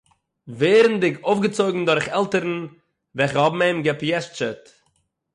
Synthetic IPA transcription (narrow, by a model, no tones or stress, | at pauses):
veːɾn̩dɪkʰoʊfɡət͡soɪɡŋ̩dʊɾχɛlˠtəɾn̩ | vɛχəɔbm̩eɪmɡɛpjɛʃt͡ʃət